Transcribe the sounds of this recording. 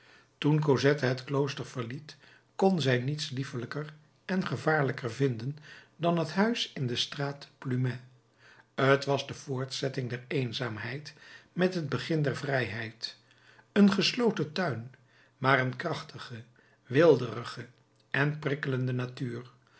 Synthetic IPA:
tunk̬ozɛtəɦətklowstəɹv̥əɹlit | kɔnzɛjnitslifələkər | ɛnχəvaːɹləkəɹvɪndəndɑnɦətɦœɥsɪndəstraːtplymɛ | ətʋɑzdəv̥ʊːɹtsɛtɪŋdɛɹejnzaːmɦɛjtmɛtɦəd̚bəχɪndɛɹvrɛjɦɛjt | ənχəslowtətœɥn | maːrənkrɑχtəχə | ʋɪlˠdərəχə | ʔɛnprɪkələndənatyːr

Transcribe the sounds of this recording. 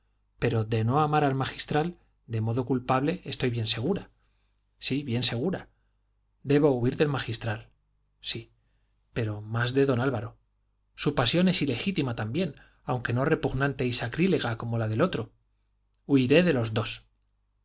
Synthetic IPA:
pe̞ɾo̞ðe̞no̞amaɾalmaxist̪ɾal | d̪e̞mo̞ðo̞kulpaβle̞est̪o̞jβje̞nse̞ɣ̞uɾa | siβje̞nse̞ɣ̞uɾa | d̪e̞βouiɾðe̞lmaxist̪ɾal | si | pe̞ɾo̞mazðe̞ðo̞nalβaɾo̞ | supasjo̞ne̞sile̞xit̪imat̪ambje̞n | awŋke̞no̞re̞puɣnãnt̪e̞isakɾile̞ɣ̞ako̞mo̞lað̞e̞lo̞t̪ɾo̞ | uiɾe̞ðe̞lo̞zðo̞s

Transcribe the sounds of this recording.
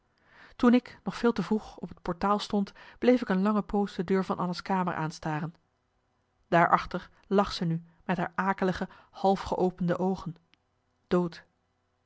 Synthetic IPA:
tunɪknɔχfɪːlˠtəvruχɔpɦət̚pɔɹtaːlˠstɔntb̥lejfɪkənlɑŋəpowsdədøːɹvɑnʔɑnəskaːmə̰ɹʔa̰ːnstaːrən | d̥aːɹʔɑχtəɹ | lɑχsəny | mɛtɦa̰ːɹʔaːkələχəhɑlˠfχəʔowpəndəʔowχən | d̥owt

